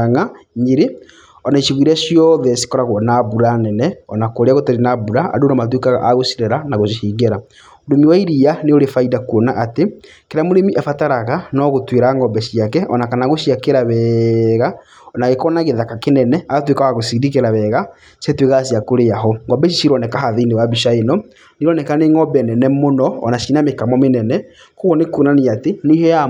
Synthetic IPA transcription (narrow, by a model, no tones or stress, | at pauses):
ŋaɲiɾe | ɔnaiʃiɣwiɾaʃijɔðɛsi̥kɔɾaɣɔnabuɾanɛnɛɔnakoɾeaɣotaɾinabuɾaa̰donamat̬wekaɣaʔaɣosiɾeɾanaɣoʃiʃiːɣeɾa | odomiwaiɾianeoɾefaidakuonaʔate | keɾamoɾemiʔefataɾaɣanɔɣotweɾaŋɡɔmbɛʃiakɛʔɔnakanaɣoʃiakeɾaβɛɣa | naɣekɔnaɣeðakakenɛnɛatwekawaɣosidikeɾaβɛɣa | sɛtweɣasiakoɾeaɦɔŋɔbɛʃ̬iʃiɾɔnɛkaɦaðinewabiʃaenɔ | niɾɔnɛkaneŋɔbɛnɛnɛmonɔ̰ːnaʃinamekamɔmenɛnɛ | koɣɔnekonaneatenehɔja